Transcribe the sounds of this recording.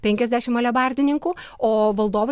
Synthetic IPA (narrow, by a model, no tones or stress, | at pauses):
pʲɛŋʲkʲɛzʲd̪ʲæːʃʲɪmɐlʲɛbɐɾʲd̪ʲɪnʲɪŋkuː | oːʋɐlˠd̪oːʋo